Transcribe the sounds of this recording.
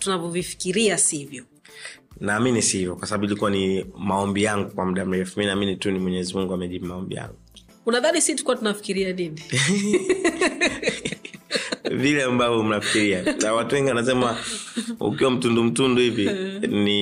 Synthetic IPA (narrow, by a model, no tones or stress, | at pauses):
tunavɔvifi̥kiɾiasivjɔ | naːminisihivjɔkwasaɓaɓuilikuwanimaɔmbijaŋɡukwamuɗam̩ɾɛfuminaːminitunimwɛɲɛzimuŋɡuamɛʄiɓumaɔmbḭja̰ŋɡu | unaðanisitu̥kuwatunafi̥kiɾianini | vilɛambavɔm̩nafi̥kiɾianawatuwɛŋɡiwanasɛma | ṵkiwam̩tundum̩tunduhivini